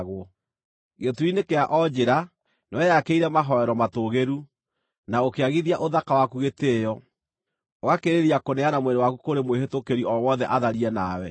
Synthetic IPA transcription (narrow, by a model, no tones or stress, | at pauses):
ɣo | ɣetuɾinekeaʔɔd͡ʑeɾa | noɛjakeiɾɛmaɦɔɛɾɔmatoɣeɾu | naokeaɣiðiaʔoðakawakuɣetejɔ | oɣakeɾeɾiakonɛanamweɾewakukoɾemweɦetokeɾiɔwɔðɛʔaðaɾiɛnaːwɛ